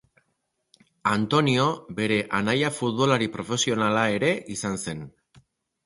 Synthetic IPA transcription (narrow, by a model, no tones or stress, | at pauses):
ant̪o̞nio̞be̞ɾe̞ʔanajafut̪βo̞laɾipɾo̞fe̞sio̞nalae̞ɾe̞ʔisanse̞n